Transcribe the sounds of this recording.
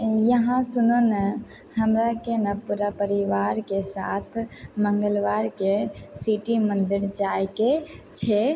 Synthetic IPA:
jəɦãsunonə | həmɾakenəpuɾapəɾiʋaɾkesat̪ʰməŋɡəlʋaɾkesiʈimənd̪iɾd͡ʒajket͡ʃʰe

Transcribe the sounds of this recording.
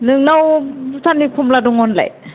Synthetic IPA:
nɯŋnawtʰanipʰɔmladɔŋɔnla̰j

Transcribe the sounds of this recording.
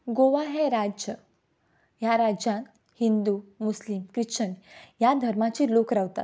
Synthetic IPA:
ɡoʋaɦeɾad͡ʑə | jaɾad͡ʑjãn | hind̪umuslimkɾit͡ɕənjad̪ʱəɾmat͡ɕiːlokɾaʋt̪a̰t̪

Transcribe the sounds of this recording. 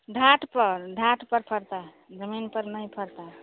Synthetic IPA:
ɖʱaʈpəɾɖʱaʈpəɾpʰəɾt̪a | d͡ʒəminpəɾnəjpʰəɾt̪a

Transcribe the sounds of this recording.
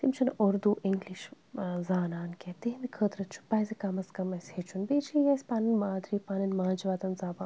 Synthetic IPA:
t̪imt͡ʃʰɐnoɾd̪uʔiŋɡliʃ | zaːnaːnkʲet̪iɦind̪ikʰəːt̪ɾɐt͡ʃʰu̥paːjzikɐmɐskɐmɐsʲhet͡ʃʰunbeːt͡ʃlijɐːsʲpaːnɐnmaːd̪ɾiːpaːnɐnmaːnd͡ʒʋaːt̪ɐnzaːbaː

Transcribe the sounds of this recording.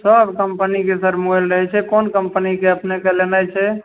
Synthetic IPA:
səbkəmpənikesəɾmuɛlɾəɦɛt͡ʃʰɛkonkəmpənikeəpnekelenajt͡ʃʰɛ

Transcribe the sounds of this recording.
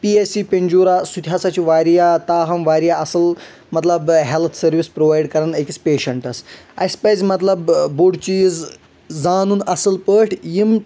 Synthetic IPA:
piesipʲenʲd͡ʑuːɾasud̪ʱʰʲjasat͡ɕiʋaːɾijat̪aːɦɐmʋaːɾijaɐsɨl | mɐt̪lɐbɦelt̪ʰsɐɾʋispɾoʋaːjɖkɐɾɐnəkit͡speːʃɐɳʈɐsɐsʲpɐjzmɐt̪lɐbbuɽt͡ʃiːz | d͡zaːnuːnɐsɨlpəːʈʰjim

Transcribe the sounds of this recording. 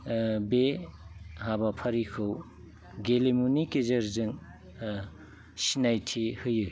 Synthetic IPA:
be | ɦabapʰɐɾikʰɯw | ɡelemunikezɐɾzɯŋ | sinajtʰihɯjɯj

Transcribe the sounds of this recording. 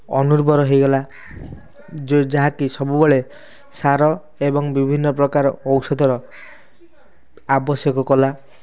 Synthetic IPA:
ɔnuɾbɔɾɔɦejɡɔla | d͡ʒd͡ʒaɦakisɔbubɔɭe | saɾɔ | ebɔŋbibʱinːɔpɾɔkaɾɔ̰owsɔd̪ʱɔɾɔ | abɔsjɔkɔkɔla

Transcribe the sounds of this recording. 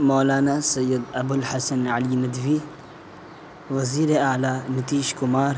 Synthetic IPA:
moːlaːnaːsɐjːɐd̪ɐbʊlhɐsɐnʕɐlimɐd̪ʋi | ʋɐziːɾealaːnɐt̪iːʃkʊmaːɾ

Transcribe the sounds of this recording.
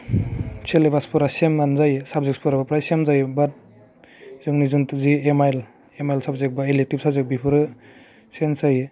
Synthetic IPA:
t͡ʃʰelebaspʰɔɾasemnanzajsab̚zek̚spʰɔɾabapɾajsemzajbat̚ | zɯŋnizɯntuziemajl | emajlsabzek̚baelek̚tip̚sabzek̚bipʰɯɾɯ | sensaj

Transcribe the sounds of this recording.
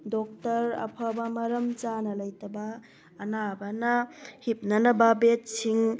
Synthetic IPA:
dɔk̚tɐɾɐ̰pʰabɐmɐɾɐmt͡ʃanɐlɐjtɐbɐː | nabɐnɐhip̚nɐnɐbabet̚siŋ

